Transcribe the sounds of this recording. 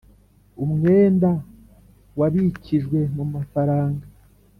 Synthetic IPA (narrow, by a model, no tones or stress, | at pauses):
umŋe̞ːnda | waβiciʒɡwe̞mumafaɾaːŋɡa